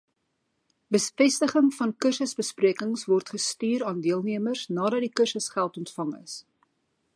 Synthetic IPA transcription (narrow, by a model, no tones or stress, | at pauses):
bəfɛstəχəŋfɐnkərsəsbəspriəkəŋsvɔrtχəstyːɾɑːndiəlˠniəmərsnɑːdɐt̚dikərsəsχælˠtɔntfɐŋə̰s